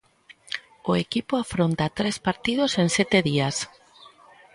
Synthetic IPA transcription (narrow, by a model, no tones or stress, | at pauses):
ʊekipʊafɾont̪at̪ɾespaɾt̪ið̞osensɛt̪eðias